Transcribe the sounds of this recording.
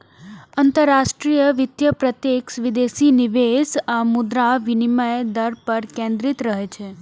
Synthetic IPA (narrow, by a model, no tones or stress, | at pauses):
ənt̪əɾːaʃʈɾijəʋɪt̪jəpɾət̪jeksʋid̪esiniʋesamud̪ɾaʋiniməjed̪əɾpəɾkẽnd̪ɾit̪ɾəɦet͡ʃʰe